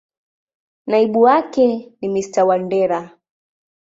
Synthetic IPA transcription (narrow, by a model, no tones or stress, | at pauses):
naiɓuwakɛnimistawandɛɾa